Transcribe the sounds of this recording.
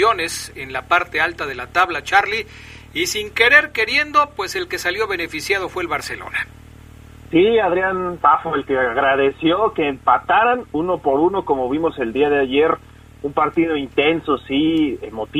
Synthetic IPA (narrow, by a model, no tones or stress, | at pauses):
o̞ne̞se̞nlapaɾt̪e̞alt̪aðe̞lat̪aβlat͡ʃaɾliː | siŋke̞ɾe̞ɾke̞ɾje̞nd̪o̞pwese̞lke̞saljo̞βe̞ne̞fisjaðo̞fwe̞ːlβaɾse̞lo̞̰na | siaðɾjant̪afoelkeaɣɾaðe̞sjo̞ke̞ːmpat̪aɾanuno̞po̞ɾuno̞ko̞mo̞βimo̞se̞ld̪iaðeaʝe̞ɾ | umpaɾt̪iðo̞int̪enso̞siemo̞t̪